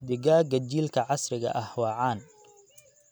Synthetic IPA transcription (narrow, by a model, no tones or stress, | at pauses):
d̪ɪɣaːɡɐt͡ʃiːlkʰɐʕɑsrɪɣɐ̰ʔɐhwɑːʕɑːn